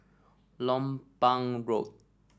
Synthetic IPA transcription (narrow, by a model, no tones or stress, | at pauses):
lɔ̃mpãŋɹot̚